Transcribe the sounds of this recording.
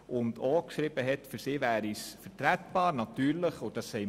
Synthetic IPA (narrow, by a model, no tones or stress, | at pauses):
ʊnd̪ɔkʃɾɪb̥əɦɛtfɵɾsɪːvæːɾisfətɾætb̥ɑːɾnɑtyːɾləχɔd̥ɑsːɛɪ